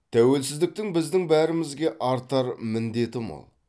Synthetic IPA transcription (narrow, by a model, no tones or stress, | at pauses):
t̪ʰæwe̞lsɪzd̪ɪk̚t̪ɪŋbɪzd̪ɪŋbæɾɪmɪzɡʲe̞ʔɑɾt̪ɑɾmɪnd̪e̞t̪ɪmɑ̰lˠ